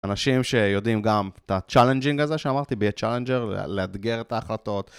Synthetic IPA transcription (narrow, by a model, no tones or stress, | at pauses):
anaʃimʃe̞jo̞dimɡamt̪at͡ʃalend͡ʒiŋkazeʃeamaʁt̪ibeat͡ʃalend͡ʒeʁ̰lead̪ɡeʁet̪aːχlato̞t̪